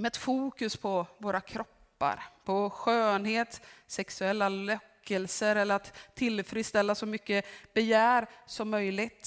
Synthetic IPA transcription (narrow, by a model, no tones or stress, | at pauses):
mɛɛt̪fuːkɵspʰɔvoːɾakʰɾɔpːa̰ɾpʰɔɧøːnheːt̪sɛksɵɛlːalœkʰːəlsəɾɛlːəɾat̪ʰːɪlfɾɪːst̪ɛlːasɔmʏkːəb̥ɛjæːɾsɔmːœjlɪɡt̪